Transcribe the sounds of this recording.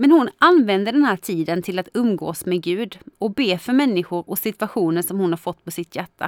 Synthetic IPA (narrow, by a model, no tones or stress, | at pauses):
mɛnhʊnʔanvɛnd̪əɖɛnhɦæːʈʰiːd̪ənt̪ʰɪlat̪ɵmːɡo̰ːsmɛɡʉ̟ːd̪ɔbeːfœɾmɛnːɪɧʊɾɔsɪt̪vaɧuːnənʂɔmhʊnhaɾfɔt̪ːpɔsɪt̪jæʈːa̰